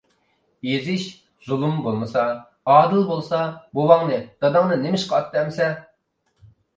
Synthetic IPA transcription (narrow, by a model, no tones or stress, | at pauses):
jezɪʃ | z̥ulˠumbolˠmɨsɑ | ɑːd̪ɨlˠbolˠsɑbowɑŋnɨd̪̥ɑd̪ɑŋnɨnemɪʃqʰɑt̪̚d̪ɛmsɛ